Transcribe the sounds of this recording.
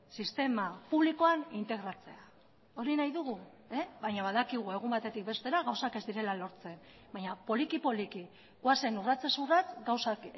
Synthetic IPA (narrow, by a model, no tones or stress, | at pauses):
sist̪e̞mapuβ̞liko̞anint̪e̞ɣ̞ɾat͡se̞a | o̞ɾinajðuɣ̞u | eβajɲaβaðakiɣ̞ue̞ɣ̞umbat̪e̞t̪ik̚be̞st̪e̞ɾaɣawsake̞zd̪iɾe̞lalo̞ɾt͡se̞m | baɲapo̞likipo̞liki | ɣwase̞nurat͡se̞surat͡sɡawsak